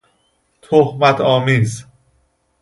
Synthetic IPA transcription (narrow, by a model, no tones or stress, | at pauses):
t̪ʰohmæt̪ʰɒːmiːz